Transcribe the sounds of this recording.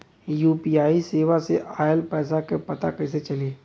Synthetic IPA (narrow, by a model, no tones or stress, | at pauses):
juːpiːaːiseːʋaseʔaːjəlpɛːsakepɐt̪akɛːs̬et͡ʃɐleː